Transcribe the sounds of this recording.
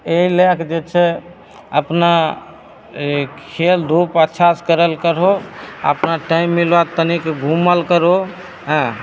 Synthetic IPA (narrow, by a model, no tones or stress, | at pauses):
eɦilekd͡ʒet͡ʃʰɛ | əpna | kʰeld̪ʱupət̪ːʃʰaskəɾəlkəɾɦoə̰pnaʈaɪmːilʋat̪ənikeɡʱuməlkəɾo | ɦɛ̃